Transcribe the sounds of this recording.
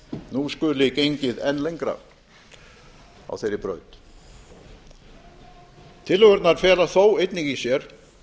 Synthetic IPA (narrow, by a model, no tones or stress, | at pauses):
nuskʏlɪcejɲcɪðɛnlejŋkɾa̰ | a̰wθejɾɪpɾœ̰ɥt̪ | t̪ʰɪlːœɣœɾt̪naɾfjɛːlaθowejt̪niŋcisjɛɾ̥